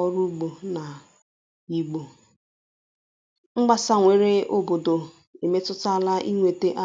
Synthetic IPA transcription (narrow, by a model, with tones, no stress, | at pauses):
ɔ˦ɾu˦ɡ͡bo˨na˨ | i˨ɡ͡bo˨ | ŋ͡m̩˦ɡ͡ba˦sa˦ŋʷe˨ɾe˦ʊ˦bo˨do˨ | e˨me˦tʊ˦ta˨la˦ʔi˦ŋʷe˨te˦ʔa˦